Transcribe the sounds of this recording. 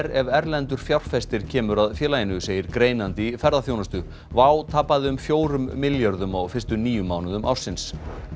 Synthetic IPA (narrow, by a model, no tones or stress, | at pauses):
ɾɛvɛɾlɛnt̪ʏɾ̥fjawr̥fɛst̪ɪɾ̥cʰɛːmʏɾaðfjɛːlajɪnʏseːjɪɾkɾeːjnant̪ɪfɛɾðaθjoːwnast̪ʏ | vaːwt̪ʰapːaðɪʏmfjoːwɾʏmːɪljaɾðʏmawfɪr̥st̪ʏniːjʏmːaːwnaðʏmʔa̰wɾ̥sɪns